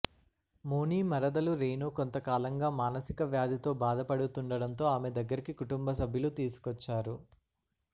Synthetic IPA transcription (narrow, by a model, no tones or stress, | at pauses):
moːniːmɐɾɐd̪ɐluɾeːnoːkont̪ɐkaːlɐŋɡaːmaːnɐsikɐʋjaːd̪ʱit̪o̞ːbaːd̪ɐpɐɽut̪uɳɖɐɽɐnt̪o̞ːaːmed̪ɐɡːɐɾikikuʈumbɐs̬ɐbʱjɐlut̪iːsu̥kɔt͡ʃːaːɾu